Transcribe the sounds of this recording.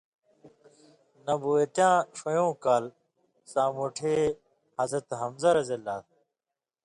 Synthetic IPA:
nɐbuːet̪jãːʂojõːkaːl | sãːmoːʈʰeː | hɐzɾɐt̪ɦɐmzɐɾɐzɐlaːt̪

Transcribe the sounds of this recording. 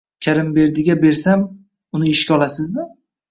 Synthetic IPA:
kʲʰaɾɪmbe̞ɾd̪ɪɡʲabe̞ɾsam | ʊnɪɪʃkʲaɒlˠasɪzmɪ

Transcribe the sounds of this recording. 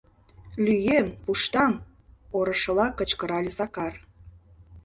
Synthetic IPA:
lyjempuʃt̪ɑm | oɾə̆ʃə̆lɑkə̆t͡ɕkəɾɑlʲezɑkɑr

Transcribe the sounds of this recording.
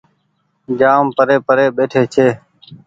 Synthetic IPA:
d͡ʒaːmpəɾeːpəɾeːɓeːʈʰeːt͡ʃʰeː

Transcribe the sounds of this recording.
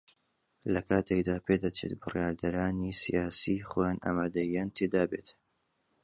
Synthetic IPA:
lɐkʰaːt̪ʰekd̪aːpʰeːd̪ɐt͡ʃʰḛt̪̚bɨrjaːɾd̪ɐɾaːnisḭjaːsiːχoːjaːnʔa̰ːmaːd̪ɐijaːnt̪ʰeːd̪aːbḛt̪

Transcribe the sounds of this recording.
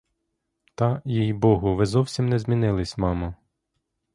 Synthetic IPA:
t̪ɑjijbɔɦʊʋɪzɔwsʲimnɛzmʲinɪlˠɪsʲmɑmɐ

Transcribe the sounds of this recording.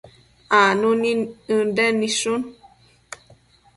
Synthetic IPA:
anuniɨndɛniʃun

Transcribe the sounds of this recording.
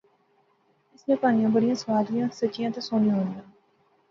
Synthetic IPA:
ɪsnẽpaːnijãbɐɽijãːsʋaːd̪ɾijãːsɐt͡ʃijãːt̪osoːnĩɦõːnd̪ãː

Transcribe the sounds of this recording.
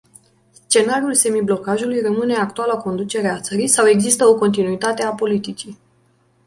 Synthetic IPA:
st͡ʃe̞naɾiulse̞miblo̞kaʒulujrəmɨne̞ak̚t̪ualako̞nd̪ut͡ʃe̞ɾeat̪səɾisawe̞ɡzist̪əo̞ko̞nt̪inuit̪at̪e̞apo̞lit̪it͡ʃi

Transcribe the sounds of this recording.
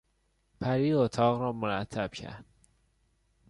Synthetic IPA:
pʰæɾiːot̪ʰɒːɣɾɒːmoɾæt̪ʰːæb̥cʰæ̰ɾd̪̥

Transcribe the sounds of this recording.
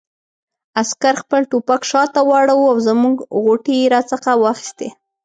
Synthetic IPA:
askaɾxpəlʈopakʃɑt̪awɑɽawuawzəmuɡɣoʈiɾat͡səxawɑxi̥st̪e

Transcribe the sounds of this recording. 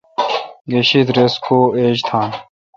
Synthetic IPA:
ɡeɕid̪ɾeskʰoːeːd͡ʑt̪ʰãːn

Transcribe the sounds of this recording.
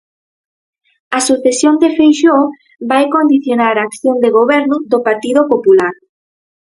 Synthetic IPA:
ɐsuθesjond̪efejʃo | bajkond̪iθjonaɾaːkθjond̪eɣoβɛɾnʊðopaɾt̪iðopopulaɾ

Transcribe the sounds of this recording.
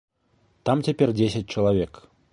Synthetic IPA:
t̪amtʲepʲerʲdʲes̬ʲɪt̚ʲt͡ɕəlˠavʲek

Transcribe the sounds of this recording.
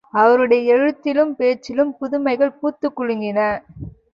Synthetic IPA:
ɐʋɐɾɯɽɐjɐɛɻɯt̪ːɪlɯmpeːt͡ʃːɪlɯmpʊðʊmɐɪɣɐɭpuːt̪ːɯkːʊɻɯŋɡɪnɐ

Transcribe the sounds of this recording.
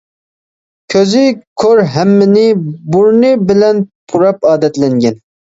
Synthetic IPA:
kʲʰøzɪkʰøɾɦæmːɪnɪbuɾnɨbɪlɛnpʰuɾɑpɑːd̪ɛt̪lɛŋɡʲɛn

